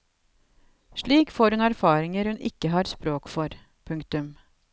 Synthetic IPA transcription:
ʂɭiːkfoːɾhʉnæɾfɑːɾɪŋəɾhʉnʔɪ̰kːəɦɑːɾspɾoːkfɔɾ | pʰʉŋkt̪ʉm

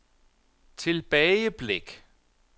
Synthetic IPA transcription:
t͡sʰe̝lb̥ɛɪəb̥leɡ̥

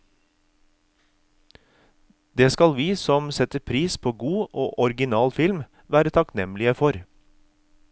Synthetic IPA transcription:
d̪̥eːskɑlʋiːsɔmsɛt̪əpʰɾiːspʰoːɡuːʔo̰ːʔɔɾɡɪnɑːlfɪlm | ʋæːɾət̪ʰɑknɛmlɪəfɔɾ

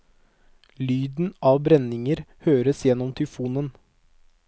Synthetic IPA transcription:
lyːd̪n̩ʔɑːʋbɾɛnɪŋəɾhøːɾəsjɛnːɔmt̪ʰʏfuːnən

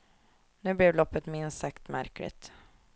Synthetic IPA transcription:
nʉ̟ːblɛvlɔpːət̪mɪnsakt̪mæ̰ɾklɪ̰t̪

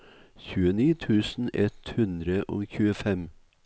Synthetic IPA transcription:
çʉːəniːt̪ʰʉːsn̩ɛt̪hʉnd̪ɾəʔo̰ːçʉːəfɛm

